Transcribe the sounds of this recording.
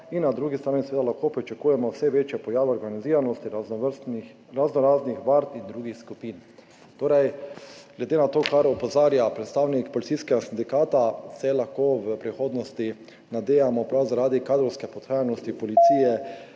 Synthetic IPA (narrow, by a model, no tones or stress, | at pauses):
inːad̪ɾuːɡist̪ɾaːnisɛʋed̪alaxkoːpɾit͡ʃakuːjɛmɔwsɛʋeːt͡ʃjɛpɔjaːʋɛɔɾɡaniziːɾanɔst̪i | ɾaznɔɾaːznixʋaɾt̪ind̪ɾuːɡixskupin | t̪oːɾɛjɡ̥lɛd̪eːnat̪oːkaɾɔpɔzaːɾjapɾɛt̪st̪aːwnikpɔlit̪siskɛɡasind̪ikaːt̪asɛlaxkoʋəpɾixoːd̪nɔst̪i | nad̪eːjamɔpɾawzaɾaːd̪ikaːd̪ɾɔwskɛpɔt̪xaːjanɔst̪ipɔlit̪siːjɛ